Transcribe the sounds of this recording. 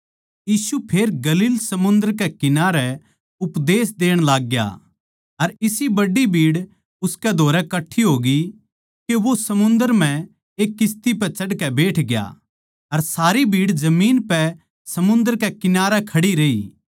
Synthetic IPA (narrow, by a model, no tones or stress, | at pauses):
jiːsupʰeːɾɡɐliːlsɐmʊ̃nd̪əɾkɛkɪnaːɾɛ | ʊpd̪eːs̬d̪eːəɽ̃laːɡːja̰ | ɐɾɪsibɐɖibʱiːɽ | ʊskɛd̪ʱoːɾɛkɐʈʰiɦoːɡi | keʋosɐmʊ̃nd̪əɾm̤ɛ̃ | eːkːɪst̪ipɛt͡ʃɐɽkɛbeːʈʰɡɪja̰ː | ɐɾsaːɾibʱiːɽd͡ʒɐmiːnpɛ | sɐmʊ̃nd̪əɾkɛkɪnaːɾɛkʰɐɽiɾeiː